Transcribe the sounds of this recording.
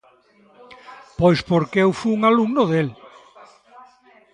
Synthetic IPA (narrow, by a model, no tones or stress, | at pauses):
pojspoɾkeewfuuŋaluŋnʊðel